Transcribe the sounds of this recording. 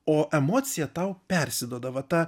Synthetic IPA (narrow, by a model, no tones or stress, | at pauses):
oːʔɛmoːt̪sʲɪjɛt̪ɐʊpʲɛɾʲsʲɪd̪uːd̪ɐʋɐt̪ɐ